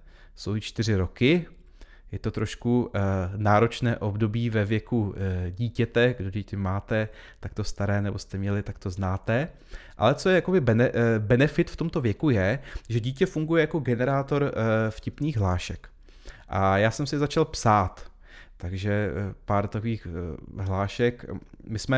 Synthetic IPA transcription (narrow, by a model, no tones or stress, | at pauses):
sowɪt͡ʃt̪ɪrɪɾo̞kɪ | jɛt̪o̞t̪ɾo̞ʃkunaːɾo̞t͡ʃnɛːʔo̞bdo̞biːvɛvjɛkuɟiːcɛt̪ɛɡdod̪ic̪ɛmaːt̪ɛt̪ak̚t̪o̞st̪aɾɛːnɛbo̞st̪ɛmɲɛlɪt̪ak̚t̪o̞znaːt̪ɛ | ʔa̰lɛt͡so̞jɛjako̞bɪbɛnɛbɛnɛfɪt̪ft̪omt̪o̞vjɛkujɛʒɛɟiːcɛfuŋɡujɛjakoɡɛnɛɾaːt̪o̞ɾfcɪpniːxɦlaːʃɛk | ʔajaːsɛmsɪzat͡ʃalpsaːt̪ | t̪aɡʒɛpaːɾt̪akoviːxɦlaːʃɛkmɪsmɛ